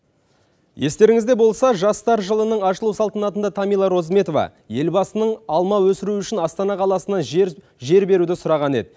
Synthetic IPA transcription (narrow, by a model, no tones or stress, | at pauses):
je̞st̪e̞ɾɪŋɪzd̪e̞bo̞lˠsɑʒɑst̪ɑɾʒəlˠənəɴɑʃəlˠuwsɑlˠt̪ənɑt̪ənd̪ɑt̪ʰɑmijlˠɑɾo̞zme̞t̪o̞vɑ̰ | je̞lbɑsənəɴɑlˠmɑwɵsɪɾuʏʃɪnɑst̪ɑnɑqʰɑlˠɑsənɑʒ | ʒe̞ɾbe̞ɾud̪ɪsʊɾɑʁɑne̞̰d̪ɪ